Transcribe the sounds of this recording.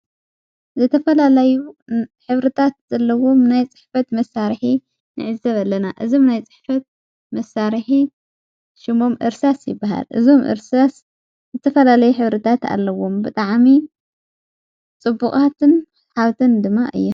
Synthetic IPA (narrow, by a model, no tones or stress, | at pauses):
zɨt̪ʰɐfɐlalajuħɨβɾɨt̪ʰat̪z̥ɐlːɐwomnajt͡sʼɨ̥ħfɐt̪mɐsaɾħi | nɨ̰ʕɨzɐβalːɐnaʔɨzo̞mnajt͡sʼɨ̥ħfɐt̪̚ | mɐsaɾħi | ʃɨmo̞mʔɨɾsasjɪ̰bːaɦa̰lʔɨ̰zo̞mʔɨ̰ɾsas | zɨt̪ʰɐfɐlalɐjuħɨβɾɨt̪ʰat̪a̰lːɐwombɨt̪ʼaʕmi | t͡sʼɨbːuχʼat̪ʰɨn | ħaβt̪ʰɨnd̪ɨmːaʔɨ̰jːu